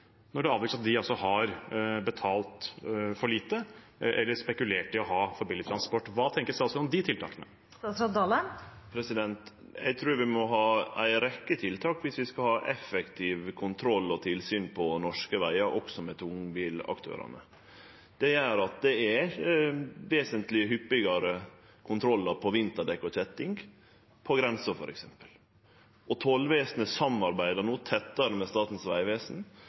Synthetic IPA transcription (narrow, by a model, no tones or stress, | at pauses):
nɔɖɛɑːʋ̪yksɑt̪̚d̪ɪɑlsɔhɑɾbət̪ʰɑːlt̪fɔɭiːt̪ə | ʔɛlːəspɛkʉleːʈɪlɔɦɑːfɔɾbilɪt̪ʰɾɑnspɔʈːʋɑːt̪ʰɛŋkəsɛɑlsɔɔmd̪ɪt̪ʰɪlt̪ɑ̰ːkənə̰ | ɛt̪ɾɑd̪ɑləpʰɾɛsɪd̪ɛnt̪ | jæ̰ɡt̪ʰɾuːɾʋɪmɔɦɑːæ̰ɪɾɛkːət̪ʰɪlt̪ʰɑːkʋɪsʋɪskɑlhɑːʔɛfɛkt̪ʰɪʋkʰʊnt̪ʰɾɔlːɔt̪ʰɪlsyːnpʰɔnɔʂkəʋæɪɑɾʔɔksɔmɛt̪ʰʊŋbiːlɑ̰kt̪ʰø̰ːɾɑ̰nə̰ | d̪̥ɛjæːɾɑt̪̚d̪ɛɛ | ʋeːsənt̪lɪəɦʏpːɪɡɑɾə | kʰʊnt̪ʰɾɔlːəɾpʰɔʋɪnt̪əɖɛkːɔçɛt̪ːɪŋɡ | pʰɔɡɾɛnsəfɔɾɛksɛmpə̥l | ɔt̪ʰɔlʋeːsnəsɑmɑɾbæɪd̪ənuːt̪ʰɛt̪ːəɾəmɛst̪ɑːt̪n̩sʋæ̰ɪʋeːsn̩